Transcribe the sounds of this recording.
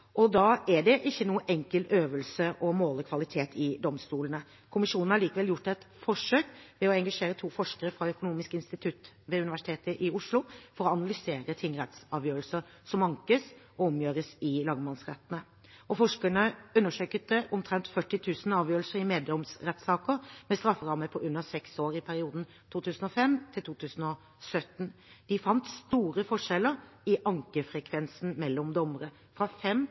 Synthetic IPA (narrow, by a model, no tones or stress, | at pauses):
ʔɔd̪ɑːæɖɛʔɪçːənuːəʔɛŋkəløːʋəlsəʔɔmoːləkʰʋɑlɪt̪ʰeːt̪ʰɪd̪ɔmst̪uːlənə | kʰʊmɪʂuːnn̩hɑɭiːkəʋɛljʊʈːɛt̪fɔʂøːkʋɛɔɛŋɡɑʂeːɾət̪ʰuːfɔʂkəɾəfʁɑœkʊnuːmɪskəɪnst̪ɪt̪ʰʉt̪ | ʋɛʉnɪʋæʂɪ̥t̪ʰeːt̪əʔɪʊʂlʊfɔɾɔɑnɑlʏseːɾət̪ʰɪŋɾɛt̪sɑːʋjøːɾəlsəɾ | sɔmɑŋkəs | ɔɔmjøːɾəsɪlɑːɡmɑnsʁɛ̰t̪ən̩ə | ɔfɔʂkəɳəʉnːəʂøːkət̪əʔɔmt̪ʰɾɛnt̪fœʈːɪt̪ʰʉːsnɑːʋjøːɾlsəɾɪmeːd̪ɔmsɾɛt̪sɑːkəɾmɛst̪ɾɑfːəʁɑmːəpʰɔʔʉnːəsɛksoːɾɪpʰæɾɪuːd̪n̩ | t̪ʰuːt̪ʉːsn̩ɔfɛmt̪ʰɪlt̪uːt̪ʰʉːsn̩ɔ | sœt̪nd̪̥ɪfɑnt̪st̪uːɾəfɔʂɛləɾɪʔɑŋkəfɾɛkʰʋɛnsn̩mɛlːɔmd̪ɔməɾə | fɾɑfɛm